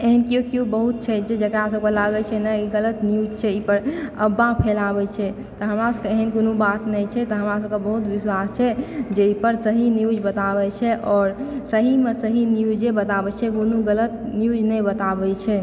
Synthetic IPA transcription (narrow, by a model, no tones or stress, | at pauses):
eɦənkeokiubəɦut̪̚t͡ʃʰɛd͡ʒed͡ʒəkɾasəb̚kelaɡɛt͡ʃʰɛnɛiɡələt̪njud͡ʒt͡ʃʰɛipəɾəbːapʰelabɛt͡ʃʰɛ | t̪ɔɦəmɾasəbkeeɦənkonobat̪nɛjt͡ʃʰɛt̪ɔɦəmɾasəb̚kebəɦut̪biswast͡ʃʰɛd͡ʒeipəɾsəɦinjud͡ʒbət̪abɛt͡ʃʰɛʔɔːɾsəɦimesəɦinjud͡ʒebət̪abɛt͡ʃʰɛɡonuɡələt̪ | njud͡ʒnɛjbət̪abɛt͡ʃʰɛ